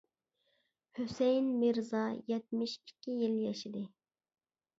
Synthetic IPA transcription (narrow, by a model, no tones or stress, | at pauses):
hysɛjnmɪɾzɑjɛt̪̚mɪʃi̥kʲʰːijiljɛʃid̪ɨ